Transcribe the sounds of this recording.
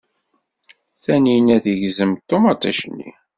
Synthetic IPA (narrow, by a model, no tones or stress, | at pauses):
θæninæθəʝzəmt̪ːomɑt̪ˤːæ̰ʃnːḭ